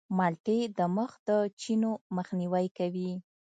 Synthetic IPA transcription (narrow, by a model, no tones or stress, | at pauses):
mɑlʈed̪əməxd̪ət͡ʃinoməxniwajkawi